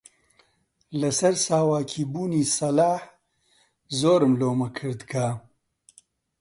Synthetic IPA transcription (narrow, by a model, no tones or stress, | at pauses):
lɐsɐɾsaːwaːkʰiːbuːniːsɐlaːħ | zoːɾɨmloːmɐkʰɨɾd̪kʰaː